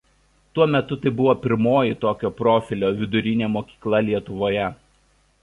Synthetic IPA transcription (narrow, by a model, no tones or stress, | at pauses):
t̪uɔmʲɛt̪ʊt̪ɐɪbʊʋoːpʲɪɾmoːjɪt̪oːkʲoːpɾoːfʲɪlʲoːʋʲɪd̪ʊɾʲɪnʲeːmoːkʲi̥ːklˠɐlʲiɛt̪ʊʋoːjɛ